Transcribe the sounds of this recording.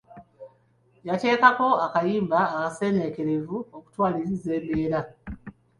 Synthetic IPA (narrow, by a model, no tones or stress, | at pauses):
jate̞ːkako̞akajiːmbaːkase̞ːne̞ke̞ɾe̞vuoku̥twaːlisize̞ːmbe̞ːɾa